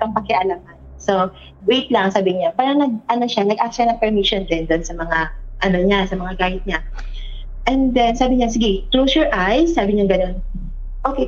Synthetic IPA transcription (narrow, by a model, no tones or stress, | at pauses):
ɐŋpɐkɪʔɐlamɐn | so | wejt̪lɐŋŋsaːbɪɲapaːɾɐŋnɐɡ̚ʔɐno̞ʃanɐɡʔak̚ʃanɐŋpɛɹmiʃond̪ɛnd̪oʔonsɐmɐŋaʔɐno̞ɲasɐmɐŋaɡaːjɪt̪̚ɲa | ʔɛnd̪ɛnsaːbɪɲasɪɡɛklowsjɔɹʔajsaːbɪɲaɡɐno̞n | ʔoːke